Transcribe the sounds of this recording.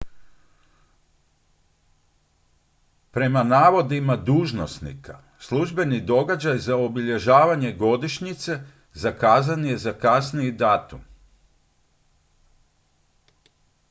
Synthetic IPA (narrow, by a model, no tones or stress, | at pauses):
pɾe̞manaːʋo̞d̪imad̪uːʒnosnḭka | slˠuʒbe̞nid̪o̞ɡad͡ʑajzaobiʎe̞ʒaːʋaɲe̞ɡo̞d̪iʃɲit̪se̞ | zakaːzanje̞zakasniid̪aːt̪um